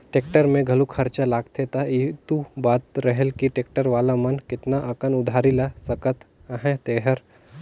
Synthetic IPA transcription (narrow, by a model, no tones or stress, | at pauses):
ʈeːk̚ʈəɾmẽɡʱɐlukʰɐɾt͡ʃalaːɡt̪ʰet̪ait̪ubaːt̪ɾɐɦelkiʈeːk̚ʈəɾʋaːlamɐnkɪt̪naʔɐkənʊd̪ʱaːɾilasɐkət̪əɦɛ̃t̪eːɦəɾ